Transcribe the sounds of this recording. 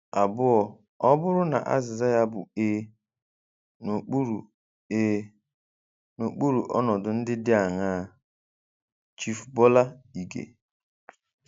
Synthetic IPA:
a˨bʊ˦ɔ˨ | ɔ˦bʊ˦ɾʊ˦na̰˨ʔa̰˦zɪ˨za˦ja˦bʊ̰˨eː˦ | no˨k͡pu˦ɾu˨ | e˦ | no˨k͡pu˦ɾu˨ʔɔ̰˦nɔ˨dʊ˨n̩˦dɪ˦dɪ˦a˨ŋaː˦˨ | t͡ʃi˦fbɔ˦la˦i˨ɡḛ˨

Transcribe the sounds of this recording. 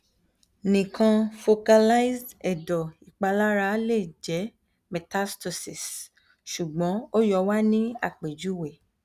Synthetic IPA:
nĩ˨kʰã˧fo˧ka˧la˦i˦sdɛ˨dɔ˨i˨k͡pa˧la˦ɾa˧le˦˨d͡ʒɛ˨˦ | mɛ˨ta˦stɔ˧˨si˨s | ʃu˨ɡ͡bɔ̃˨˦o˦jɔ˧wa˦nĩ˦a̰˦˨k͡pe˨d͡ʒu˨˦˨we˨

